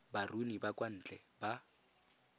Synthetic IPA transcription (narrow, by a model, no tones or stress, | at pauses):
barunibakwan̩ːt͡ɬʼɛba